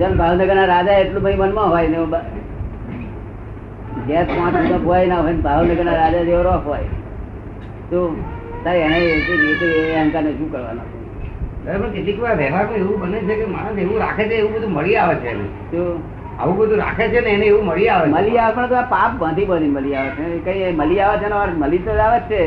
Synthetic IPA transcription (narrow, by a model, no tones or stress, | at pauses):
d͡ʒənbʱaʋnəɡəɾnaɾad͡ʒaeʈlũməimənmãɦojneba | d͡ʒet̪mãʈ̪əmãojnaɦɔjnbʱaʋnəɡəɾnaɾad͡ʒad͡ʒ̪eʋoɾokɦoj | t̪o | t̪aɾeɛɽ̃et̪oet̪ieɦə̃ŋkaned͡ʒũkəɾʋa̰no̰t͡ʃʰɔ̰ | t̪əɾɛməɳkeʈlikʋaɾʋɛɦaɾnũeʋũbənet͡ʃʰekema̰ñõseʋũɾa̰kʰet͡ʃʰeeʋũbəd̪ʱuməɭiaʋet͡ʃʰḛːnḛ | t̪o | a̰ʋũbəd̪ʱũɾa̰kʰet͡ʃʰeneːneːʋũməɭiaʋeməliaʋepə̃ɳt̪oapap̚bə̃nd̪ʱibəninməliaʋet͡ʃʰekə̃ĩməliaʋat͡ʃʰɛnemaməlit̪od͡ʒaʋett͡ʃʰe